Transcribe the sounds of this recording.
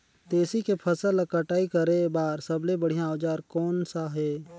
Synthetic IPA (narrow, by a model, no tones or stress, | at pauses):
t̪eːsikepʰəsəlkəʈaːikəɾebaːɾsəblebəɽ̤ijãd͡ʒaːɾkɔːnsaɦɛː